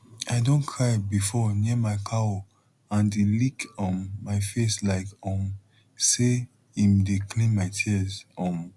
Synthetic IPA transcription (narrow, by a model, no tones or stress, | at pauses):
aɪdõnkʰɹaɪbifɔnimaɪkʰao | ãndelikɔ̃nmaɪfeslaɪkɔ̃m | se | ĩmdekʰlĩnmaɪtʰizɔ̃m